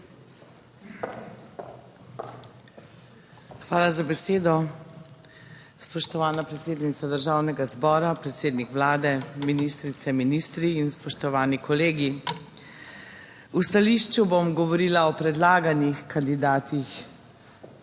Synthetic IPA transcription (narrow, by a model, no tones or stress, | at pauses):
xʋaːlazabɛseːd̪ɔ | spɔʃt̪ɔʋaːnapɾɛt̪seːd̪nit̪sad̪əɾʒaːwnɛɡazbɔːɾapɾɛt̪seːd̪nikʋlaːd̪ɛminist̪ɾit̪sɛminist̪ɾiːnspɔʃt̪ɔʋaːnikɔleːɡi | ust̪aliʃt͡ʃubomɡɔʋɔɾiːlaɔpɾɛd̪laːɡanixkand̪id̪aːt̪ix